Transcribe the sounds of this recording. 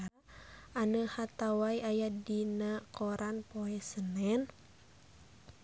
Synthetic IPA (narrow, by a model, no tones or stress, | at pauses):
anəhat̪awaiajadinakɔɾanpoɛsənɛn